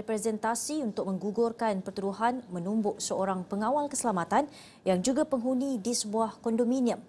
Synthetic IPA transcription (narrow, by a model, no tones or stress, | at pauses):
ɛpɾɛzɛnt̪asiunt̪ʊk̚mə̃ŋɡuɡʊrkanpərt̪uduɦanmə̃numbʊʔsəoɾaŋpəŋãwalkəsəlamat̪an | jaŋd͡ʒuɡapəŋɦunĩdisəbuahkɔndomĩniə̃m